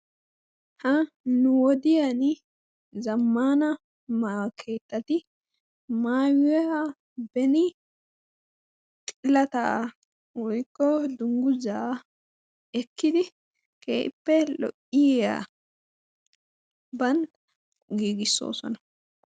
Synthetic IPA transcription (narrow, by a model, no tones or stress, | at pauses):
hɐ | nʊwɔd̪ɪjɐn | zɐmːaːnɐ | maːkʰe̞ːt̪ːɐt̪ɪ | maːjɛhɐ | bɛnɪ | t̪ʼɪlːɐt̪ɐ | wɔjkːɔd̪ʊŋɡʊza | ɛkːɪd̪ɪ | kʰeːʔɪpːɛlɔ̰ʔɪjɛja̰ | bɐnt̪ | ɡiːɡɪsːo̞̰ːsɔ̰nɐ